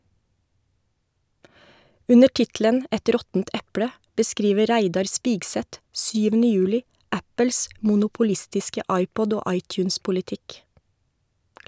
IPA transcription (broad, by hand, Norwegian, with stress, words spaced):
ˈʉnə ˈʈɪtlən ˈɛt ˈɾɔtn̩t ˈɛpɽə bəˈskɾiːʋə ˈɾæɪdɑɾ ˈspiːɡsɛt ˈsyːʋənə ˈjʉːlɪ ˈæpəls ˌmuːˌnʊpʊˈlɪstɪskə ˈɑɪˌpɔd ˈoː ˈɑɪˌtjʉːnspʊlɪˌtɪk